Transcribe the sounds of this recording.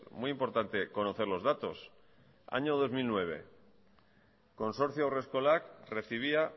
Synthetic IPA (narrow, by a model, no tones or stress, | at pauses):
mujimpo̞ɾt̪ant̪e̞ko̞no̞θe̞ɾlo̞zðat̪o̞s | a̰ɲo̞ð̞o̞zmilnwe̞β̞e̞ | ko̞nso̞ɾθjowre̞sko̞lakre̞θiβ̞ia